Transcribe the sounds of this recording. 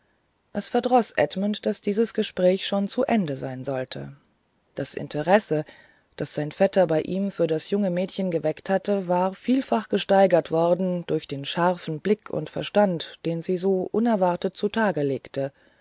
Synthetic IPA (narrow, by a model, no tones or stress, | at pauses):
ʔɛsfɛɐdʁɔsʔɛ̰tməntd̥asd̥iːzəsɡ̥əʃpʁ̥ɛːçʃoːnt͡suʔɛndəzaɪnzɔltʰə̰ | d̥asʔɪ̰ntʰəʁɛsə | d̥asz̥aɪnfɛtɐbaɪʔiːmfyːɐdasjʊŋəmɛːtçənɡəvɛkthatəvaːʁfiːlfaχɡ̥əʃtaɪɡɐtv̥ɔɐdn̩d̥ʊɐçd̥eːnʃaʁfn̩blɪkʰʊ̰ntfɛɐʃtantd̥eːnziːzoːʔʊnɛɐvaʁtət̚t͡sutʰaːɡəleːktʰə